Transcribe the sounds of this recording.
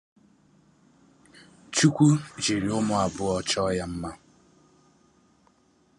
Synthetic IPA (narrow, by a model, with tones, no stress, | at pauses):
t͡ʃu˦kʷu˦d͡ʒi˨ɾi˨ʊ˦mʊ˦a˨bʊ˦ɔ˦t͡ʃɔ˦ja˦m̩˦ma˦